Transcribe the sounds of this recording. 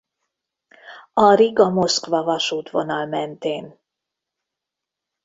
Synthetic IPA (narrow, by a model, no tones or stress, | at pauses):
ɒɾiɡɒmo̞skʋɒvɒʃuːt̪ʋo̞̰nɒlmɛnt̪eːn